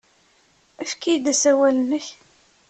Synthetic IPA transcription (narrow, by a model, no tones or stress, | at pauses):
æfkijd̪æsæwælənːəç